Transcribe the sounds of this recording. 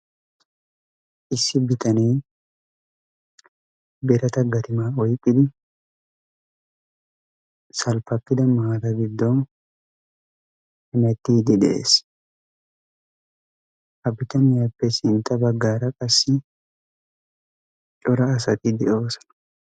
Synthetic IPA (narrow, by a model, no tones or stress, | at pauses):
ʔɪsːɪbɪt̪ɐniː | bɛɾɐt̪ɐɡɐt̪ɪmaːɔjkʼːɪd̪ɪ | sɐlpɐkːɪd̪ɐmɐaːd̪ɐɡɪd̪ːɔn | hɪmɛt̪ːiːd̪ɪᶑ̪ɛʔḛːs | hɐbɪt̪ɐnɪjɐpːɛsɪnt̪ɐbɐɡːaːɾɐkʼɐsːɪ | t͡ʃʼɔɾɐːsɐk̪ʼɪd̪ɛʔo̞ːsɐ̥